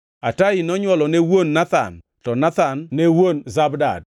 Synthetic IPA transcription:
atainɔɲwɔlɔnewonːat̪a̰n | tɔnat̪anːewonzabda̰d

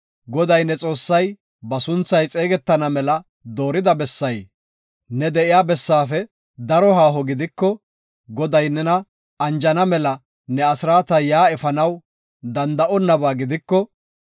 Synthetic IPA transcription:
ɡɔd̪ɐjnɛt͡sʼo̞ːsːɐj | bɐsʊnt͡sːɐjt͡sʼe̞ːɡɛt̪ːɐnɐmɛlɐ | d̪o̞ːɾɪd̪ɐbɛsːɐj | nɛd̪ɛʔɪjaːbɛsːaːfɛ | d̪ɐɾɔɦaːɦɔɡɪd̪ɪkːɔ | ɡɔd̪ɐjnɛnɐ | ɐnd͡ʒɐnɐmɛlɐ | nɛɐsɪɾaːt̪ɐjaːɛfɐnɐw | d̪ɐnd̪ɐʔɔnːɐbaːɡɪd̪ɪkːɔ

